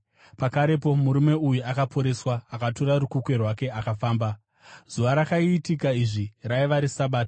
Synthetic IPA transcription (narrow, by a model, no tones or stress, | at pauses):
pakaɾe̞p̬o̞muɾume̞ujuakapʰo̞ɾe̞swaːkatoɾaɾukukwe̞rwake̞akafaːmba | z̥uʋaɾakaiːtikaiʐiraiʋaɾisaɓaːta